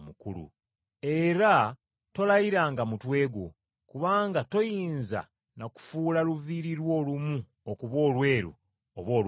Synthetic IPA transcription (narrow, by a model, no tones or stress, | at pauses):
mukulṵ | e̞ɾa | to̞laiɾaːŋɡamutwe̞ːɡo̰ | kuβaːŋɡato̞jiːnza̰ | naku̥fuːlaluviːɾiɾwo̞ːlumu | okuβo̞ːlwe̞ːɾṵ | oβwoːl